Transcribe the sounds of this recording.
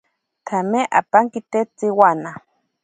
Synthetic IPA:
t̪ʰameʔa̰paŋkit̪et͡siwana

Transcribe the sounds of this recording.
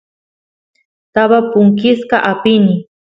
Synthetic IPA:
t̪aβapʊŋk̬ɪskaʔapɪnɪ

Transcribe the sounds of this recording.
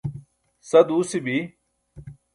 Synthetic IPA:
sɐd̪uːsibi

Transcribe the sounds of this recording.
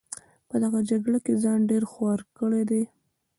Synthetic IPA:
pəd̪aɣad͡ʒaɡɽakezɑnɖeɾxwɑɾkəɽed̪e

